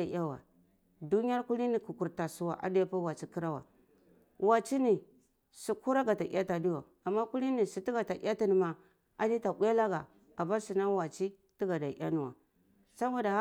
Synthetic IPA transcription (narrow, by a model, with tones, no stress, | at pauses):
a˨a˦wa̰˨ | du˦ni˦ja˦ɾku˦li˦ni˨ku˨ku˨ɾta˨su˨˦wa˨ʔa̰˨di˦ja˦pa˦wa˨t͡ʃi˦ki˦ɾa˦wa̰˨ | wa˨t͡ʃi˦ni˨ | si˨ku˦ɾa˦ɡa˨ta˨ʔḭ˦a˦ta˨di˦wa˨ | a˨mːa˦ku˦li˦ni˨si˨ti˦ɡa˨ta˨˦a˦ti˦ni˨ma˨ | a˨ni˦ta˨bʷa˦la˦ɡa˨ | a˨ba˦si˨na˦wa˨t͡ʃi˦ | ti˦ɡa˨da˨˦a˦ni˨wa̰˨ | sa˦ma˦da˨˦